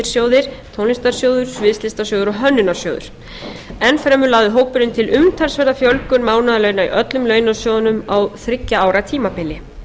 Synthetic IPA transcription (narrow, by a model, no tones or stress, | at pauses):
ɪɾ̥sjoːwðɪɾ̥t̪ʰownɪnst̪aɾ̥sjoːwðʏɾ̥svɪst̪ɪst̪asjowðʏɾɔɦœnːʏnḁsjoːwðʏ̰ɾ̥ | ɛnfɾɛːmʏɾlaːðʏɦoːwpʏɾʏnt̪ʰɪlʏmt̪ʰaɾ̥svɛɾðafjœlkʏnmaːwnaðalœɥnaḭʔœt̪lʏmlœːɥnasjowðʏnʏmawθɾɪcːaaːwɾat̪ʰiːmapɪlɪ